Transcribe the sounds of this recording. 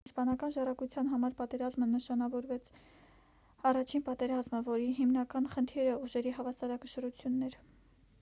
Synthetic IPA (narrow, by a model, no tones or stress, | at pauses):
spɑnɑkɑnʒɑrɑkut͡sʰjɑnɦɑmɑɾpɑt̪ɛɾɑzmənəʃɑnɑvɔɾvɛt͡sʰ | ɑrɑt͡ʃʰinpɑt̪ɛɾɑzməvɔɾiɦimnɑkɑnχənt̪ʰɛɾəuʒɛɾiɦɑvɑsɑɾɑkəʃəɾut͡sʰjunːɛɾ